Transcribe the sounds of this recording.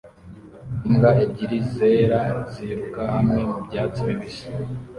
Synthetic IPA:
imɡaʔebɟiɾize̞ːɾaziɾukahamŋe̞mubɟaːt͡siβiβisḁ

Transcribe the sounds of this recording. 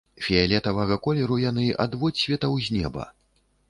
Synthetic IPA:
fʲɛalʲɛt̪ɐvɐɣɐkɔlʲɛɾujanɨʔad̪vɔt͡sʲsʲvʲɛt̪ɐwzʲnʲɛbɐ̰

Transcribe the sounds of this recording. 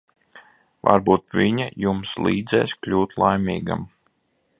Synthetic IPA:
va̰ɾbuːt̪vʲiɲajumslˠiːd̪zɛ̰ːsklʲuːt̪lˠajmʲiːɡa̰m

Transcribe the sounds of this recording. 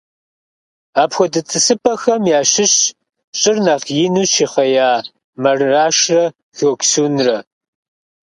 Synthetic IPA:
aːpxʷɔdɨt͡sʼɨsɨpʰʼɐxɐmjaːɕɪɕ | ɕʼɪrnaʁjɪnuːɕiːχɐjaː | mɐrːaːʂrɐ | xoːkʷsuːnrɐ

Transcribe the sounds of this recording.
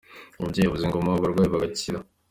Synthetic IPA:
uubɟeeβuziŋɡo̞mawaβaɾɡwaːjiβaɡaciɾa

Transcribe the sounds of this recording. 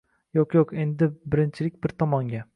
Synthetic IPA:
joqjoqe̞nd̪ɪbɪɾɪnt͡ʃʰɪlɪk̚ʲbɪɾt̪ʰɒmɒŋɡʲa

